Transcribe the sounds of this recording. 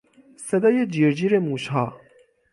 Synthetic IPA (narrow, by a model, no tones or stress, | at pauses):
sɐd̪ɐjed͡ʒiːɾd͡ʑiɾemũːɕɦaː